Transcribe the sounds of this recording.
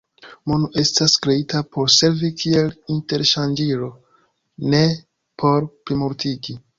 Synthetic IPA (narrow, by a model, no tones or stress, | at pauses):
monuʔe̞staskɾe̞itapo̞ɾse̞ɾvikʰie̞linte̞ɾʃand͡ʒiɾo̞ | ne̞ | pʰo̞ɾpɾimoɾtiɡi